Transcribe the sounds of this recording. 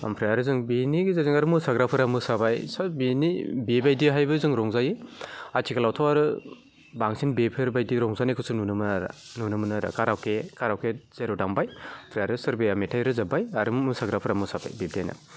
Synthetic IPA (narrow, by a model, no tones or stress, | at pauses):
a̰mpʰɾijaɾɯzɯŋbiniɡizazɯŋaɾɯmusaɡɾapʰɯɾamɯsabajsabinibebajdiɦajbɯzɯŋɾɔŋzajiatʰikalawtʰawaɾɯ | baŋsinbepʰɯɾbajdiɾɔŋzanikʰɯsununɯmɯnaɾa̰nunɯmɯnaɾa̰kaɾawkekʰaɾawkez̥eɾɔdambajpʰɾijaɾɯsɯɾbeametʰajɾɯzabajaɾɯmusaɡɾapʰɯɾamɯsaba̰jbeb̚diajna̰